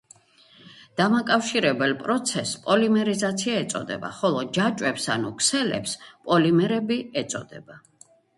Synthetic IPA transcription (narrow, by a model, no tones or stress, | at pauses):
d̪̥amakʼafʃiɾɛbɛlˠpʼɾɔt̪sʰɛspʼɔlimɛɾizat̪sʰiaɛt̪sʼɔ̰d̪ɛ̰ba̰χɔlˠɔd͡ʒat͡ʃʼwɛpsa̰nṵkʰsɛlɛ̰pspʼɔlimɛɾɛbiɛt̪sʼɔ̰d̪ɛb̥a